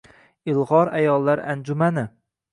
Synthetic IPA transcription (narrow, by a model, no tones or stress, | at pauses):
ɪlˠʁɒɾajɒlˠːaɾa̰nd͡ʒʊmanɪ